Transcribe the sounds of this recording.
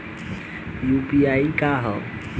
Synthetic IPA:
jupiaikaɦɔ

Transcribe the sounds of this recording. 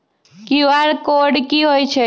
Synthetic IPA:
kiʋaɽkoɽkiɦojt͡ʃʰe

